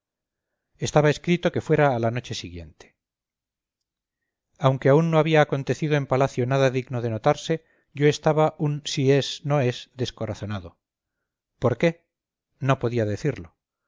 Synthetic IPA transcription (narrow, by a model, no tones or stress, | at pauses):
est̪aβae̞skɾit̪o̞ke̞fwe̞ɾaːlano̞t͡ʃe̞siɣje̞̰nt̪e̥ | awŋke̞aunːoaβiaːko̞nt̪e̞θiðoempalaθjo̞naðaðiɣnoðe̞no̞t̪aɾse̞ | ʝo̞e̞st̪aβaʔunsie̞snoe̞zðe̞sko̞ɾaθo̞naðo̞ | poɾke̞ | no̞po̞ðiaðe̞θiɾlo̞